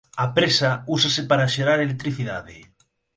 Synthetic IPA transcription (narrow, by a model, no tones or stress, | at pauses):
ɐpɾesausasepaɾaʃeɾaɾelek̚t̪ɾiθiða̰ðɪ